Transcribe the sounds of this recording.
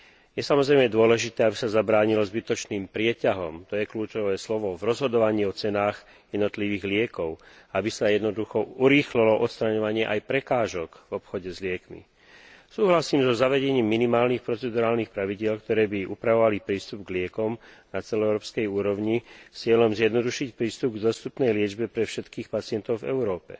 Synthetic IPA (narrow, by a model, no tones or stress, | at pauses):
jɛsamɔzɾɛjmɛd̪ʊɔlɛʒit̪ɛːabisazabɾaːɲilɔzbit̪ɔt͡ʃniːmpɾɪɛcaɦɔmt̪ɔjɛkluːt͡ʃɔʋɛːslɔʋɔvɾɔzɦɔd̪ɔʋaɲiːɔt͡sɛnaːɣ | jɛd̪nɔt̪liʋiːɣlɪɛkɔʊabisajɛd̪nɔd̪uxɔuɾiːxlilɔʔɔt̪st̪ɾaɲɔʋaɲɪɛʔajpɾɛkaːʒɔɡvɔpxɔɟɛzlɪɛkmḭ | suːɦlasiːmzɔzaʋɛɟɛɲiːmːinimaːlniːxpɾɔt͡sɛd̪uɾaːlnixpɾaʋiɟɪɛlkt̪ɔɾɛːbiʔupɾaʋɔʋalipɾiːst̪ubɡlɪɛkɔmnat͡sɛlɔɛʊɾɔːpskɛjuːɾɔʊɲist͡sɪɛlɔmzjɛd̪nɔd̪uʃicpɾiːst̪ub̚ɡd̪ɔst̪upnɛjlɪɛd͡ʒbɛpɾɛfʃɛt̪kiːxpat͡sɪɛnt̪ɔʊvɛ̰ʊɾɔːpɛ̰